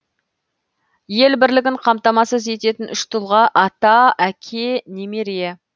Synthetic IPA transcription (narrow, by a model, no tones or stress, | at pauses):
je̞lbɪɾlɪɡʲɪɴqʰɑmt̪ɑmɑsəze̞t̪e̞t̪ɪnʏʃt̪ʰʊlˠʁɑʔɑt̪ɑækʲʰe̞nemeɾe